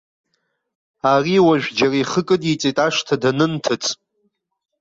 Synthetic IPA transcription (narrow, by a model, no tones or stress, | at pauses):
ariwaʒᶣʷd͡ʒaraiχəkʼɨdit͡sʼetʼaʂtʰadanɨntʰɨt͡sʰʼ